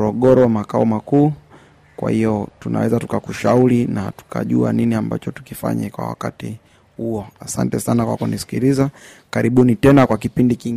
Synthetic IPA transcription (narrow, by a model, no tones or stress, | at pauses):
ɾɔɠɔɾɔwamakaɔmakuː | kwa̰hijɔtunʔa̰wɛzatu̥kakuʃaulinatu̥kʰaʄua̰niniamba̰t͡ʃɔtu̥kifa̰ɲɛkwa̰wa̰ka̰ti | huɔasantɛsanakwa̰kunisi̥kiɾiza | kaɾiɓunitɛnakwakipindikiŋ